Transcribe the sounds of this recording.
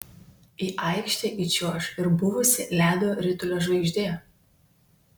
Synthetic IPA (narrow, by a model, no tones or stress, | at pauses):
iːʔɐˑɪkʃʲt̪ʲeʔit͡ʃʲuɔʃɪɾbʊʋʊsʲɪlʲæːd̪ʲoːɾʲɪt̪ʊlʲoːʒʋɐɪʒʲd̪ʲeː